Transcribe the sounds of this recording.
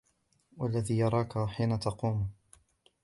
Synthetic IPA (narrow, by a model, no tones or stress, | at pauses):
walːaðiːjɑɾˤɑːkaħiːnat̪ɑquːm